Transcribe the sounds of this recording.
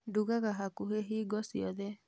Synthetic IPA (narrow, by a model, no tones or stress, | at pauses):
duɣaɣaɦakuɦeɦiːɡɔsiɔðe